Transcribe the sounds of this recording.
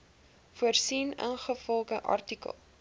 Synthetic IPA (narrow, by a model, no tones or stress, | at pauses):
fuərsinə̰nχəfɔlˠɡəʔɐ̰rtikə̰lˠ